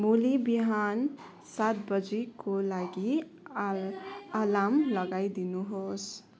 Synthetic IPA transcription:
mulibiɦan | sat̪̚bəd͡ʒekolaɡi | alamləɡaid̪inuɦos

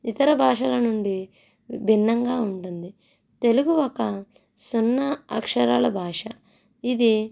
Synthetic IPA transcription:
it̪ɐɾɐbʱaːʂɐlɐnuɳɖi | bʱinːɐŋɡaːuɳʈund̪i | t̪e̞luɡuɔkɐ | sunːɐɐ̰kʂɐɾaːlɐbʱaːʂɐ | id̪i

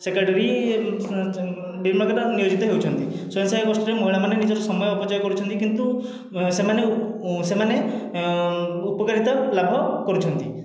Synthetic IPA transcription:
sekaʈeɾi | biɾmɔkaʈɔnijod͡ʒit̪ɔɦewt͡ʃʰɔnt̪isɔjɔnsajkɔsʈɔɾemɔiɭ̃amanenid͡ʒɔɾɔsɔmɔjɔːpɔt͡ʃajɔkɔɾut͡ʃʰɔnt̪ikint̪u | semanesemane | upɔkaɾit̪ɔlabʱɔkɔɾut͡ʃʰɔnt̪i

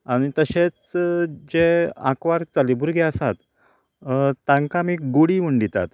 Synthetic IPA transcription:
aɽ̃it̪əɕet͡sd͡ʑeã̰kʋaɾt͡salibuɾɡʱɛəsat̪ | t̪ːãŋkamiːɡuɽiʋuɳɖ̪it̪a̰t̪

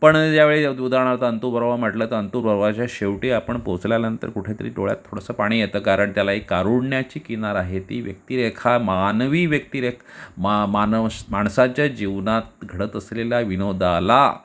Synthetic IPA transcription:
pəɳd͡ʑjaʋeɭeud̪aɳ̃aɾt̪əənt̪uːɾʋəɾʋam̤əʈlət̪əənt̪uːɾʋəɾʋat͡ɕjaɕeʋʈiapəɳpot͡sljaljanənt̪ə̰ɾkuʈʰet̪ə̰ɾḭːʈo̰ɭja̰t̪ʰːoɽəsəːpaɽ̃iːjet̪əːkaɾəɳt̪jalaɦikaɾuɽɳjat͡ɕiːkinaɾaɦet̪iːʋjə̰k̚t̪iːɾekʰamanʋiːʋjək̚t̪iːɾekʰamanmaɳsãt͡ɕjad͡ʑiʋnat̪̚ɡʱəɽət̪əsleljaʋinod̪ʱala̰

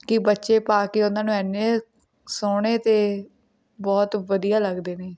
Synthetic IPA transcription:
kɪbətːʃeːpaːkiːʊnãːnũːɛnːeː | soːɽ̃eːt̪eː | bɔːt̪ʋəd̪ijaːləɡd̪eːneː

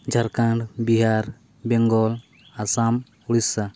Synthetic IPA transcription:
d͡ʒʱaɾkaɳɖbiɦaɾ | bɛŋɡɔl | asam | uɽisːa

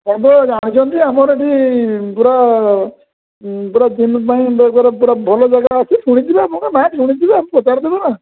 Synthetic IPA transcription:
anbɔd͡ʒaɽ̃it͡ʃʰɔnt̪iamɔɾeʈipuɾa | puɾad͡ʒinpaĩbkɔɾapuɾabʱɔlɔd͡ʒaɡaəsisʰuɽ̃it̪ibamɔkanaʈʰuɽ̃it̪ibaːmĩpɔt͡ʃaɾd̪ibɔna

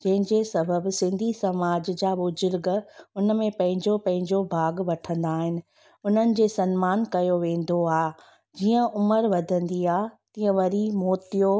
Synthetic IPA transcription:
d͡ʑɐ̃ɦɪ̃ɲd͡ʑeːsɐbʱəbsɪ̃nd̪ʱisɐmaːd͡ʑd͡ʑaːbʊzʊɾɡəʊnəmẽpɐ̃ɦɪ̃ɲd͡ʑopɐ̃ɦɪ̃ɲd͡ʑobʱaːɡʋɐʈʰə̃nd̪aːɦɪnɪ̆ | ʊn̤ənɪ̆d͡ʑeːsɐnmaːnkɐjoʋẽːnd̪oaːɦ | d͡ʑiːə̃ʔʊməɾʋɐd̪ʱə̃nd̪iaːɦt̪ĩːə̃ʋɐɾimoːt̪ijo

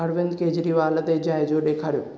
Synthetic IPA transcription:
ɐɾʋɪ̃nd̪keːd͡ʑɾiʋaːlət̪ed͡ʑaːjd͡ʒoːɗeːkʰaːɾijoː

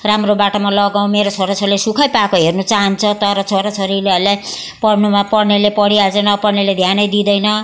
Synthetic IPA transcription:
ramrobaʈomalʌɡaw̃meɾot͡sʰoɾat͡sʰʌɾilesukʰʌjpakoɦernut͡saɦʌnt͡sʰʌt̪ʌɾʌt͡sʰoɾat͡sʰʌɾileʌlaj | pʌɽnumapʌɽnelepʌɽiad͡zʌnʌpʌɽneled̪ʱjanʌjd̪id̪ʌjnʌ

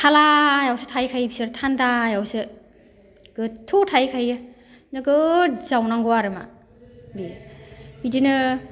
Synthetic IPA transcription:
kʰalajawsɯtʰajkʰajbi̥sɯɾtʰandajawsɯ | ɡ̥ɯtʰutʰajkʰajɯ | nɯɡɯzawnaŋɡɔaɾɯma̰ | bi | b̥idinɯ

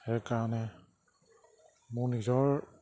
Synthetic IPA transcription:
hɛkaɹanɛ | munizɔɹ

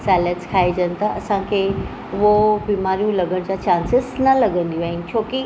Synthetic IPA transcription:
saːləʈzkʰaːid͡ʑɐnɪ̆t̪ʰaʔɐ̰sãkʰeː | ʊɦobiːmaːɾijũlɐɡəɽ̃d͡ʑaːt͡ɕãːnsɪznɐlɐɡə̃nd̪ijũãɪt͡ɕʰoːki

